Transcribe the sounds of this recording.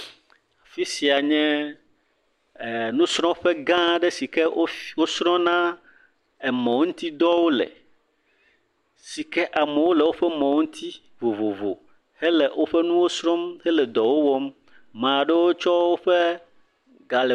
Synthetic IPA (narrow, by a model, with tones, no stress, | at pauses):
a˨fi˦si˨a˨ɲɛ̃˦˨ | nũ˦sɾ̃ɔ̃˦ɸɛ˦ɡã˦ɖe˦si˨kɛ˦wo˦sɾɔ̃˦nã˦ | e˨mɔ̃˨˦ŋũ˦t̪i˦d̪ɔ˦wo˦lḛ˨ | si˨kɛ˦ʔa˨mɛ˨wo˦lɛ˨wo˦ɸɛ˦mɔ̃˨wo˦ŋũ˦t̪ʰi˦ | vo˨vo˨vo̰˨ | hɛ˦le˨wʔo˦ɸɛ˦nũ˦wo˦sɾɔ̃˦mhɛ˦lɛ˨d̪ɔ˨wo˦wɔ˦m | mã˨ɖe˦wo˦t͡ʃɔ˦wo˦ɸɛ˦ | ɡa˨le˨